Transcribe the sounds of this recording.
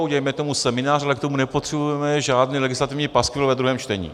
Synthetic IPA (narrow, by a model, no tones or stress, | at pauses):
uɟɛjmɛt̪o̞musɛmɪnaːralɛkt̪omunɛpot̪r̥ɛbujɛmɛʒaːdniːlɛɡɪslat̪ɪvɲiːpaskfɪlvɛd̪ɾuɦɛːmt͡ʃt̪ɛɲḭː